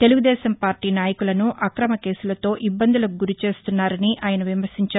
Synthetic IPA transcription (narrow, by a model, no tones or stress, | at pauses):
t̪e̞luɡud̪ɛːʃɐmpaːɾʈiːnaːjɐkulɐnuʔʔɐkɾɐmɐke̞ːsulɐt̪o̞ːʔibːɐnd̪ulɐkɡuɾit͡ʃe̞ːst̪unːaːɾɐniʔaːjɐnɐʋimɐɾsiɲt͡ʃa